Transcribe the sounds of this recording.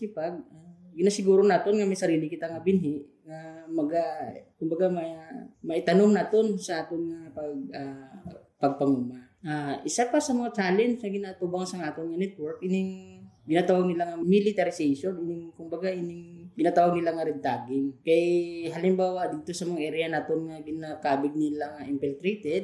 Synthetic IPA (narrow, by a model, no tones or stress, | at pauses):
ɪpaɡ̚aɡɪnasɪɡuːɾonaːt̪onŋɐmɐjsɐɾiːlɪkɪt̪aŋɐbɪnɦɪʔ | ŋɐmɐɡakʊmbɐɡamɐmɐʔɪt̪ɐnomnat̪onsɐʔaːt̪onŋɐpɐɡ̚a | pɐɡ̚pɐŋuma | ʔaʔɪsapasɐmɐŋat͡ʃaːlɛnt͡ʃŋɐɡɪnaːʔt̪ubaŋsɐŋaːt̪onŋɐnɛt̪̚wɔɹkʔɪnɪŋɡɪnaːt̪awaɡ̚nɪlaŋɐmilɪt̪ɐɾɪsɛjʃonʔɪnɪŋkʊmbɐɡaʔɪnɪŋɡ̥ɪnaːt̪awaɡ̚nɪlaŋɐɾɪd̪aːɡɪŋkɐjɦalɪmbaːwɐd̪iːt̪o̞sɐmɐŋaʔɛɾɪjanat̪onŋɐɡɪnakaːbɪɡ̚nɪlaŋɐʔɪmpɛlt̪ɾɛjt̪ɛd̪̚